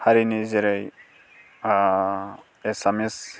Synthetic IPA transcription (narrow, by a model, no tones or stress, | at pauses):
haɾinizeɾaj | esames